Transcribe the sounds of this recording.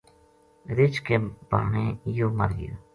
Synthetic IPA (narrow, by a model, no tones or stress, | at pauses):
ɾɪt͡ʃkeːba̰ːɳeːjoːməɾjo̰ː